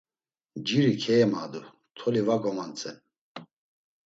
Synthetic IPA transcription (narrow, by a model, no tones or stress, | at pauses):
d͡ʒiɾikʰɛːma̰d̪u | t̪ʰɔlivaɡɔmant͡sʼɛn